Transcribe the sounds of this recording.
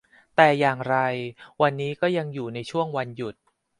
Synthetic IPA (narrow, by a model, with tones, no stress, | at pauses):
t̪ɛː˨˩jaː˨˩ŋɾa˧jwa˧nːiː˦˥kɔː˥˩ja˧ŋjuː˨˩na˧jt͡ɕʰu˥˩əŋwa˧nju˨˩t̪̚